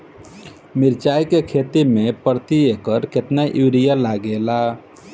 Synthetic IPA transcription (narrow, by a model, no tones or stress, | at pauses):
miɾt͡ʃajkekʰet̪imẽpəɾt̪iekəɾket̪naʔuɾijalaɡela